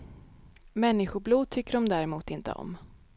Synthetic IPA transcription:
mɛnːɪɧʊbluːd̪̚t̪ʰʏkːəɾɔmd̪æɾɛmuːt̪ɪnt̪ə̰ɔ̰m

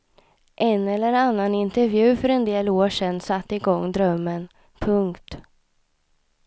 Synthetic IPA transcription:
ʔɛnɛlːəɾanːanɪnt̪ɛɾvjʉ̟ːfœɾɛnd̪eːloːʂɛnsat̪ːɪɡɔŋːd̪ɾœmːən | pʰɵŋkt̪

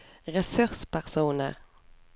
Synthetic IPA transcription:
ʁɛsʉʁspæʁsuːnə̰ʁ

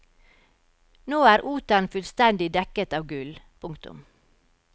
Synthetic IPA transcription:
noːæːɾʔuːt̪ɑnfʉlst̪ɛnd̪ɪd̪ɛkət̪ɑːʋɡʉlpʰʊŋkt̪ʊ̰m

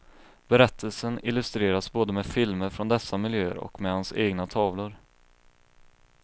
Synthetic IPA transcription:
b̥ɛɾɛt̪ʰːəlsənɪlːɵst̪ɾeːɾasboːd̪əmɛfɪlməɾfɾɔnd̪ɛsːamɪljøːə̰ɾɔ̰kmɛhanseːɡnat̪ʰɑːvlʊɾ

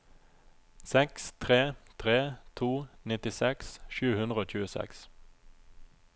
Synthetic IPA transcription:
sɛkst̪ʰʁeːt̪ʰʁeːt̪ʰuːnɪt̪ɪsɛksʃʉːhʉnʁəoːc͡çʉːəsɛ̰ks

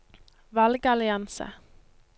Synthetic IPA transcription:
ʋɑlɡɑlɪɑnsə̰

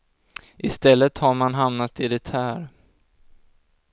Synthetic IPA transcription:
ʔɪst̪ɛlːət̪haɾmanɦamnat̪ɪd̪ɛt̪ʰæːɾ

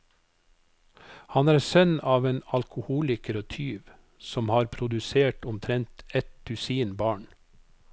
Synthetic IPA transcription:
hɑnæːɾsœnɑːʋeːnɑlkʰʊhuːlɪkəɾɔt̪ʰyːʋ | sɔmhɑːɾpʰɾʊd̪ʉseːʈʊmt̪ʰɾɛnt̪ɛt̪ʉsiːnbɑːɳ

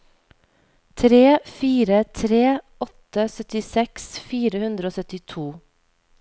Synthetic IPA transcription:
t̪ʰɾeːfiːɾət̪ʰɾeː | ɔt̪əsœt̪ɪsɛksfiːɾəhʉnd̪ɾəoːsœt̪ɪt̪ʰuː

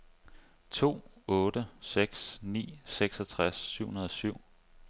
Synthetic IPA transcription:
t͡sʰo̝̰ːɔ̽ːɾəseɡ̥snḭːseɡ̥sɒt͡sʰʁasːyʊ̰hunɐðˠɒsyʊ̰

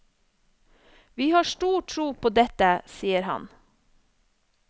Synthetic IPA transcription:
ʋiːhɑːʃʈuːʈʰɾuːpʰoːd̪ɛt̪əsiːəɾhɑ̰n

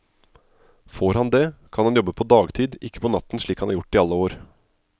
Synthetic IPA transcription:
foːɾhɑnd̪ɛːkʰɑnhɑnjɔbːəpʰɔd̪ɑːɡt̪ʰiːd̪ɪkːə̥pʰɔnɑt̪ːn̩ʂɭiːkhɑnʔæ̰ːɾjʊʈːɪːɑlːəoːɾ

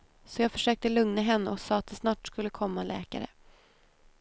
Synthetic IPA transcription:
sɔjɑːɡfœʂøːk̚t̪əlɵŋnaɦɛnːəɔsɑːat̪̚d̪ɛsnɑːʈskɵlːəkʰɔmːalɛ̰ːka̰ɾə̰

